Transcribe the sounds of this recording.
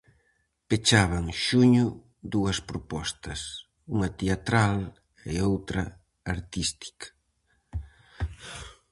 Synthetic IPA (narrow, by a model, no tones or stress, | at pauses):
pet͡ʃaβɐŋʃuɲʊ | d̪uɐspɾopɔst̪ɐs | uŋɐt̪eat̪ɾal | ḛowt̪ɾɐ̰ | aɾt̪ist̪i̥kɐ̥